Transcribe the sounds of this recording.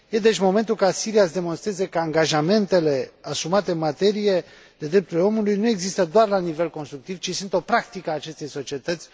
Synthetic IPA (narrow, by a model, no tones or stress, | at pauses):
je̞d̪e̞t͡ʃʲmo̞me̞nt̪ulkasiɾiaʃd̪e̞mo̞nst̪ɾe̞ze̞kəaŋɡaʒame̞nt̪e̞le̞asumat̪e̞ɨnmat̪e̞ɾije | d̪e̞d̪ɾe̞p̚t̪uɾleo̞mulujnue̞ɡzist̪əd̪oarlanive̞lko̞nst̪ɾuk̚t̪ivt͡ʃisunt̪o̞pɾakt̪ikəaːt͡ʃe̞st̪e̞jso̞t͡ʃie̞t̪ət̪sʲ